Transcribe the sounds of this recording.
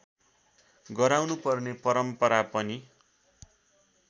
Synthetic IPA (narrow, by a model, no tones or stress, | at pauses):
ɡʌɾawnupʌrnepʌɾʌmpʌɾapʌni